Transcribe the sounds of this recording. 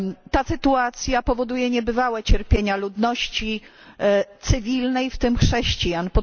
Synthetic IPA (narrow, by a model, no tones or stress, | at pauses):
t̪asɘt̪uat̪sʲjapɔvɔd̪ujɛɲɛbɘvawɛt͡ɕɛɾpʲjeɲalud̪nɔɕt͡ɕi | t̪sɘvʲilnɛjft̪ɘmxʂɛɕt͡ɕijaɲpɔ